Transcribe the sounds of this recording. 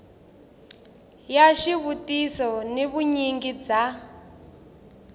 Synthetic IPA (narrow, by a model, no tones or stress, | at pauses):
jaʃiβutisɔneβuɲiŋɡid͡za